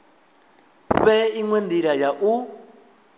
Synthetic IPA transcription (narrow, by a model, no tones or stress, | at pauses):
ɸɛiŋwɛnd̪iɺajaʔu